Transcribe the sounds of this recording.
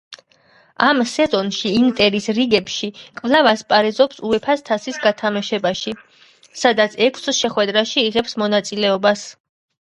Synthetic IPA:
amsɛzɔnʃiːnt̪ʼɛɾisɾiɡɛpʃikʼvlˠavaspʼaɾɛzɔpsuɛpʰast̪ʰasisɡat̪ʰamaʃɛbaʃi | sad̪at̪sʰɛkʰsʃɛχwɛd̪ɾaʃiːʁɛpsmɔnat̪sʼilɛɔbas

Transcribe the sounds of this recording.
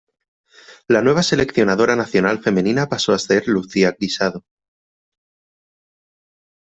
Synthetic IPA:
lanwe̞β̞ase̞le̞kθjo̞nað̞o̞ɾanaθjo̞nalfe̞me̞nĩnapaso̞ase̞ɾluθiakɾisaðo

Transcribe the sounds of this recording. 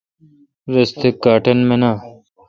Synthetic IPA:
ɾɐst̪ʰekːaːʈɐnmẽnaː

